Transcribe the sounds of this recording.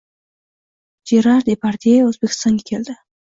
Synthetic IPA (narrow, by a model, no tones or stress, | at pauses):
d͡ʒeɾɑɾd̪epaɾt̪eozbekɪ̥st̪ɑnkkʰeld̪a